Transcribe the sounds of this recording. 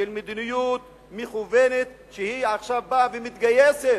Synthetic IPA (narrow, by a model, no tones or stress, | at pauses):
elmed̪inijut̪̚ | meχuvenet̪ | ʃehiaχʃavbavemit̪ɡajeset